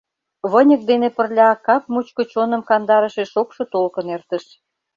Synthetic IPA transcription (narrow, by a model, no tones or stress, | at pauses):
βənʲə̆k̚d̪enepə̆rlʲɑkɑp̚mut͡ɕkot͡ɕonə̆mkɑnd̪ɑɾəʃeʃokʃŏt̪olkə̆nert̪ə̆ʃ